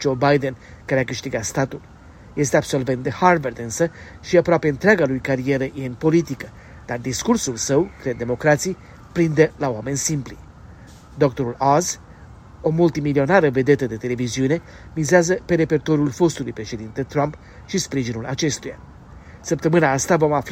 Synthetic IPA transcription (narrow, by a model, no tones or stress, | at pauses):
d͡ʒo̞bajd̪en | kaɾeakɨʃt̪iɡat̪st̪at̪ul | je̞st̪e̞abso̞lve̞nt̪̚d̪eharvərd̪ɨnsə | ʃiapɾoapeɨnt̪ɾeaɡalujkaɾie̞ɾəjeɨnpo̞lit̪ikə | d̪̥ard̪iskursulsəwkɾed̪̚d̪emo̞kɾat̪si | pɾind̪elaowame̞nsimpli | d̪o̞kt̪o̞ɾulaz | o̞mult̪imilio̞naɾəve̞d̪e̞t̪əd̪e̞t̪e̞le̞viziune̞ | mizeazəpe̞ɾe̞pe̞rt̪o̞ɾjulfo̞st̪ulujpɾe̞ʃe̞d̪int̪et̪ɾamp | ʃispɾiʒinulat͡ʃe̞st̪uja̰ | səp̚t̪əmɨnaast̪avo̞maf